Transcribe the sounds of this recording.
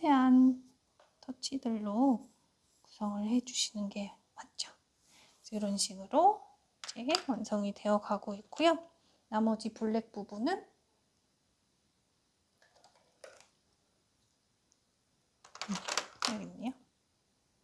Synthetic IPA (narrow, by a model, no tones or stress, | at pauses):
tʰe̞ɦan | tʰʌt͡ɕʰidɯɭːo | ku̥sʰʌŋɯɭhe̞d͡ʑuɕʰinɯnɡe̞ | wat̚t͡ɕ͈o | iɾʌnɕʰiɡɯɾo | t͡ɕewansʰʌŋite̞ʌkaɡoik͈ojo | namʌd͡ʑipuɭːe̞k̚p͈ubunɯn | eɡimɲio